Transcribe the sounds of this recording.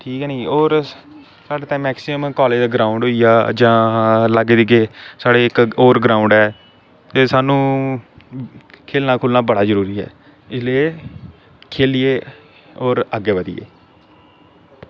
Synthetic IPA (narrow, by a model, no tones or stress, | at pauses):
ʈʰiːkɛːnĩːoːɾ | saːɖeːt̪ɛ̃ːmɛːksɪəmkɔːleːd͡ʒd̪aːɡɾaːʊɳɖɦoːijaːd͡ʒãːlaɡeːd̪eiːɡeːsaːɽeːɪkoːɾɡɾaːʊ̃ɳɖɛː | t̪eːsaːnũː | kʰeːlnaːkʰʊːlnaːbəɽaːzəɾuːɾiːɦɛ̰ː | ɪsleː | kʰeːlijeː | oːɾəɡeːʋəd̪ḭjḛː